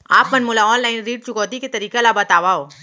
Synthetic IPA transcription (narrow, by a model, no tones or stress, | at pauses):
a̰ːpmɐnmʊːlaɔːnlaːɪnɾiːʈ̚t͡ʃʊɡɔːd̪iket̪ɐɾiːkelabɐt̪aːʋaoː